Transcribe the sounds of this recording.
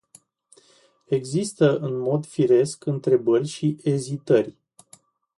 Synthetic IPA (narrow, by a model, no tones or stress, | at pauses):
e̞ɡzist̪əʔɨnmo̞d̪fiɾe̞skɨnt̪ɾe̞bərʲʃiʔezit̪ərʲ